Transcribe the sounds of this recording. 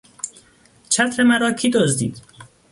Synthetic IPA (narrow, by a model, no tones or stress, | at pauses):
t͡ʃʰæt̪ʰɾemæɾɒːkʰid̪ozd̪ḭːd̪̥